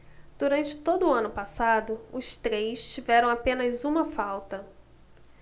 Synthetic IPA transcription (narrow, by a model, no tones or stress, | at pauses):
d̪̥uɾɐ̃nt͡ʃɪ̥t̪od̪ʊːɐ̃nʊpasad̪ʊʊst̪ɾejst͡ʃivɛɾɐ̃w̃apẽnɐzũmɐfawt̪ɐ